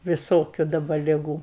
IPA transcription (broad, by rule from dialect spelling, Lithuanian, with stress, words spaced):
ʋʲɪˈsoːkʲʊ dɐˈbɐ lʲɪˈɡuː